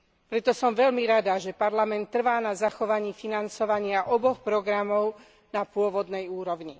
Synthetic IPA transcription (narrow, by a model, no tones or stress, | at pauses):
pɾɛt̪ɔsɔmʋɛʎmiɾad̪aʒɛpaɾlamɛnt̪ːr̩ʋaːnazaxɔʋaɲiːfinant͡sɔʋaɲɪaʔɔbɔxpɾɔɡɾamɔʊ | napʊɔʋɔd̪nɛjuːɾɔʊɲi